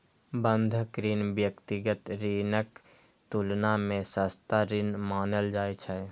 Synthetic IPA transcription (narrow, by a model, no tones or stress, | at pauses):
bə̃nd̪ʱəkɾinbjəkt̪iɡət̪ɾiːnək | t̪ulnamẽsəst̪aɾinmaːnəld͡ʒaːɛt͡ʃʰɛ